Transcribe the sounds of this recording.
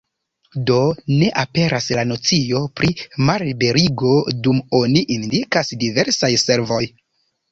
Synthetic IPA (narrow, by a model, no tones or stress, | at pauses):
do̞ne̞ʔape̞ɾʔaslano̞t͡sijo̞pɾʔimaɾibe̞ɾiɡo̞dumo̞niʔindikasdive̞ɾsajse̞ɾvo̞j